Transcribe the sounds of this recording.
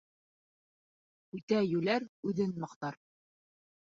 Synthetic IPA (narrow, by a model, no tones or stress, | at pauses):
ʉt̪æjʉlæɾʉðɘnmɤ̆qt̪ɑɾ